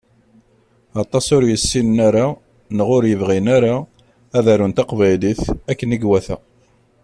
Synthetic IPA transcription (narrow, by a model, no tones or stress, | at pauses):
ɑt̪ˤɑsʊɾjəsːinnaɾa | nəʁʊɾjəvʁinaɾa | æðæɾunt̪ɑqvæjliθækːəniɡwæθæ̰